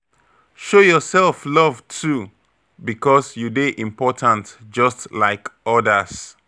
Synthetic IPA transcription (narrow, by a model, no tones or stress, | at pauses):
ʃojɔsɛlˠflʌvtʰu | bikʰɔsjudeʔĩmpɔtʰãntd͡ʒʌstlaɪkɔdəs